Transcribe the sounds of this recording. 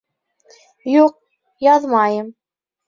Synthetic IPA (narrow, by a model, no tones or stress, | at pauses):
juq̚ | jɑðˤmɑjəm